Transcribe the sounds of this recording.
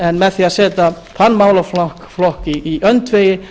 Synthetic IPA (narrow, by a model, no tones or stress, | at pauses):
ɛnmɛðθiasɛːt̪a | θanːmaːwlaflɔhkflɔhkiːʔœnt̪veːjɪ